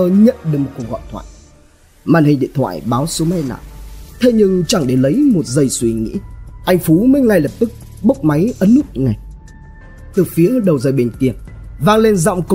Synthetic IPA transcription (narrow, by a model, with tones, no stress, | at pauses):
ə˧ɲə̰˧˨nɗɨ˨˩k̚mo˨˩t̚ku˨˩k̚ɣɔ̰˧˨jt̪ʰwa̰ː˧˨j | maː˧˩nhï˨˩ŋ̟ɗḭ˧˨ənt̪ʰwa̰ː˧˨jɓaː˨˦wsu˨˦ma˧jna̰ː˧˨wt̪ʰe˧ɲɨ˧ŋt͡ɕa˧˩ŋɗe˧˩lə˨˦jmo˨˩t̚zə˨˩jswi˧ŋḭ˧˥ʔa˧jŋ̟fu˨˦mə˨˦jŋa˧˩jlə˨˩p̚t̪ɨ˦˥k̚ | ɓə˦˥k͡p̚ma˨˦jʔə˨˦nːu˦˥t̚ŋa˨˩j | t̪ɨ˨˩fi˨˦əə˨˧˦ɗə˨˩wzə˨˩jɓe˨˩nki˧˩əvaː˧ŋle˧nza̰˧˨wŋ͡mk